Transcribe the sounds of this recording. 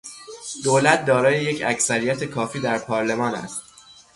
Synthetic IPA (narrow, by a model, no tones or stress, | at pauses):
d̪̥oːlæt̪̚ʰd̪ɒːɾɒːjeje̞cʰæcsæɾijæt̪ʰekʰɒːfiːd̪æɾpʰɒːɾle̞mɒːnæ̰st̪̚